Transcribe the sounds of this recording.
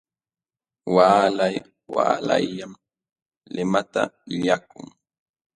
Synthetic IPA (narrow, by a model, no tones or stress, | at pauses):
waːlaj | waːlajːam | lɪmat̪a̰ʎakʊŋ